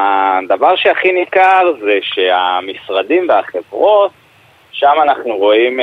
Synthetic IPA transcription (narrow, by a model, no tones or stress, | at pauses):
ad̪avaʁʃeaχinikaʁzeʃeamisʁad̪imveaχe̞vʁo̞t̪̚ | ʃamanaχnuʁo̞im